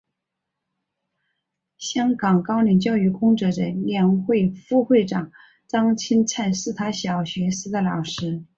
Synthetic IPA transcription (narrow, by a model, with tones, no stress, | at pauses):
ɕjɑ˥ŋkɑ˨˩ŋkɑ˥ʊnɛ˧˥nt͡ɕjɑ˥˧ʊy˥˩kʊ˥ŋʈ͡ʂɤ˧˥ʈ͡ʂə˧˥ljɛ˧˥nxwe˥˧ɪfu˥˧xwe˥˩ɪʈ͡ʂɑ˨˩˦ŋ | t͡sɑ˥ŋt͡ɕʰi˥nt͡sʰa˥˧nʂɹ̩˥˩t̪ʰa˥ɕjɑ˨˩ʊɕɥɛ˧˥sɹ̩˥d̪ə˨lɑ˨˩ʊʂɻ̩˧˥